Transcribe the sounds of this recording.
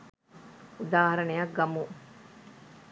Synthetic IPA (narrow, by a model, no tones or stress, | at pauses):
ud̪aːɦɐɾɐnejɐk̚ɡɐmu